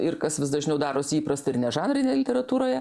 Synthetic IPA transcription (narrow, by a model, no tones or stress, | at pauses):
ɪɾkɐsʋʲɪs̬d̪ɐʒʲnʲɛʊd̪ɑːɾoːsiːpɾɐst̪ɐɪɾnʲɛʒɑːnɾʲɪnʲeːjɛlʲɪt̪ʲɛɾɐt̪uːɾoːjɛ